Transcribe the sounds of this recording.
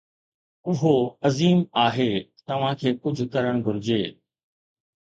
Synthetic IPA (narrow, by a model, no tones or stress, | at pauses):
ʊɦoɐziːmaːɦeːt̪ɐʋ̤ãkʰeːkʊd͡ʑʱʊkɐɾəɽ̃ɡʱʊɾɪd͡ʑeː